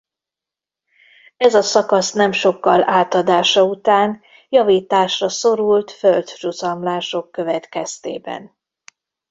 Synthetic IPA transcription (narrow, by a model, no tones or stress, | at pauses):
ɛzɒsɒkɒsnɛmʃo̞kːɒlaːt̪ɒd̪aːʃɒut̪aːn | jɒviːt̪aːʃrɒso̞ɾult̪føld̪ruzɒmlaːʃo̞kːø̞vɛt̪kɛst̪ḛːbɛ̰n